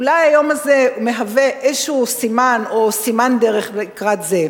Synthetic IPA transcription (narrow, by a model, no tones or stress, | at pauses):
ulajajo̞mazeumeɦaveʔeʃusimanosimand̪eʁeχbekʁat̪ze